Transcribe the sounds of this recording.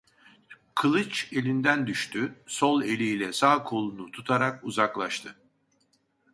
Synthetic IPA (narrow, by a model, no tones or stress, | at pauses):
kʰɯlˠɯt͡ʃe̞lʲind̪ænd̪yʃt̪ʰyso̞lˠe̞lʲilʲɛsaːkʰo̞lˠunut̪ʰut̪ʰaɾakuzaklˠaʃt̪ʰɯ